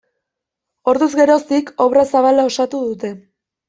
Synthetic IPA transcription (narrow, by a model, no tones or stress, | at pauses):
o̞ɾðuzɡe̞ɾo̞st̪iko̞βrasaβalao̞sat̪uðut̪e̞